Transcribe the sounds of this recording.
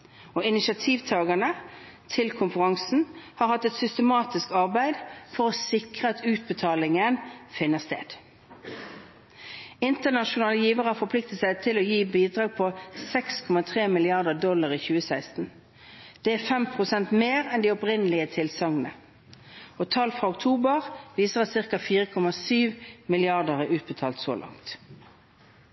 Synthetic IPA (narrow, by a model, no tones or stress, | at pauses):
oːɪnɪsɑt̪ʰiːʋt̪ʰɑːɡənə | t̪ʰɪlkʰʊmfəʁɑŋsn̩hɑːɾhɑt̪ːɛt̪sʏst̪əmɑːt̪ɪskɑʁbæɪd̪fɔʁoːsɪkʁəɑt̪ʉːt̪̚bət̪ʰɑːlɪŋənfɪnːəst̪ḛːd̪̥ | ɪnt̪ənɑʃʊnɑːləjiːʋəʁɑfɔpʰlɪk̚t̪ət̪sæɪt̪ʰɪloːjiːbiːd̪ʁɑːɡ̚pʰɔsɛkskʰɔmɑt̪ʰʁeːmɪlɪɑʁd̪əd̪ɔlɑʁiːçʉːəsæɪst̪n̩ | d̪̥ɛːæːfɛmpʰʁʊsɛnt̪meːʁɛnd̪iːɔpʁɪnəlɪət̪ʰɪlsɑŋənə̰ | oːt̪ʰɑlfʁɑʊkt̪ʰuːbəʁʋiːsəʁɑt̪sɪʁkɑfiːʁəkʰɔmɑsyːʋmɪlɪɑʁd̪əʁeːʉːt̪̚bət̪ʰɑːlt̪so̰ːlʔɑ̰ŋt̪